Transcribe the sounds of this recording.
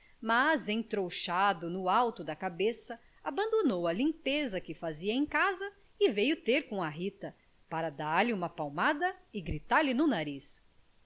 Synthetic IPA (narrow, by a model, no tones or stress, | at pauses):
mazẽt̪ɾowʃad̪ʊnʊawt̪ʊd̪ɐkabesɐ | abɐ̃nd̪onowɐlĩmpezɐkɪfaziɐẽj̃kazɐ | ɪvejʊt̪eɾkõɐɦit̪ɐ | paɾɐd̪aɾlɪũmɐpawmad̪ɐɪɡɾit̪aɾlɪnʊnaɾis